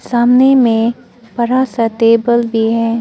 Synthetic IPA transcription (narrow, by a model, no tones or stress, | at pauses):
saːmnemẽ | pɐɾasət̪eːbəlbʱiɦɛː